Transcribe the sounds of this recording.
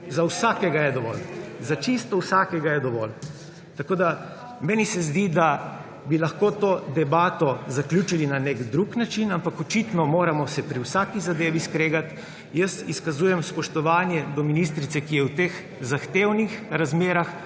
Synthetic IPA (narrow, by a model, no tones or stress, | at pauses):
zawsaːkɛɡajɛd̪ɔʋɔ̰lzat͡ʃist̪ɔwsaːkɛɡajɛd̪ɔʋɔ̰l | t̪akoːd̪a | mɛnisɛzd̪id̪a | bilaxkoːt̪oːd̪ɛbaːt̪ɔzaklʲjuːt͡ʃilinaneɡd̪ɾuknat͡ʃinampakɔt͡ʃit̪nɔmoːɾamɔsɛpɾiwsaːkizad̪eːʋiskɾeːɡat̪ | jəsiskazujɛmspɔʃt̪ɔʋaːnjɛd̪ɔminist̪ɾit̪sɛkijɛwt̪eːx | zaxt̪eːwnixɾazmeːɾax